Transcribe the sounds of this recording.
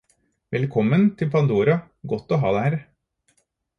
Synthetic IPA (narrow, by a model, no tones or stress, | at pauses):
ʋɛlkʰɔmːənt̪ʰɪlpʰɑnd̪oːɾɑ | ɡɔt̪ːoːɦɑ̰ːd̪ɛhæːɾ